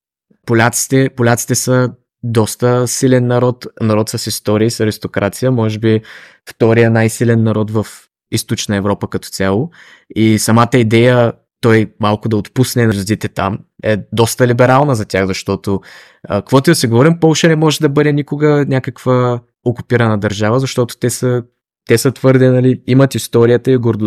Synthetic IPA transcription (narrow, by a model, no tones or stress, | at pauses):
polʲat̪si̥t̪ɛpʊlʲat̪si̥t̪ɛsə | d̪ɔst̪əsilɛnːɐɾɔt̪nɐɾɔt̪səsist̪ɔɾiːsɐɾist̪okɾʔat̪sijəmɔʒɛbi | ft̪ɔɾijənajsilɛnːɐɾɔt̪vɐf | ist̪ot͡ʃnəɛvɾɔpəkɐt̪ɔ̥t̪sʲjalˠo | isɐmat̪əid̪ɛjə | t̪ɔjmalˠkʊd̪ɐot̪pusnɛnɐzod̪it̪ɛt̪a̰mɛd̪ɔst̪əlibɛɾalˠnəzɐt̪ʲaɣzɐʃt̪ɔt̪o | ə̰kkvɔt̪ʊd̪sɛɡovɔɾimpɔlˠʃənɛmɔʒɛd̪ɐbɤd̪ɛnʲikʊɡənʲjakəkv̥ə | okupiɾɐnəd̪ɐɾʒavəzɐʃt̪ɔt̪ʊ̥t̪ɛsə | t̪ɛsət̪vɤɾd̪ɛnɐliimɐt̪ist̪ɔɾijət̪əiɡoɾd̪